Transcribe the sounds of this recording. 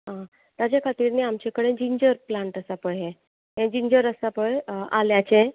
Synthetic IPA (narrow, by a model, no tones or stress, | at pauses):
ɦã | t̪jat͡ɕekʰat̪iːɾneamt͡ɕekəɽẽd͡ʑiɲd͡ʑəɾplaɳʈəsapəjɦẽ | ɦẽd͡ʑiɲd͡ʑəɾəsapəja̰ljat͡ɕẽ